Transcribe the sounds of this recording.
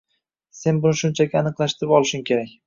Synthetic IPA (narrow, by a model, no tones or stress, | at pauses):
se̞nbʊnɪʃʊnt͡ʃʰaɡʲaanɨqlˠaʃt̪ɪɾɪpɒlˠɪʃʊŋkʲʰe̞ɾak̚ʲ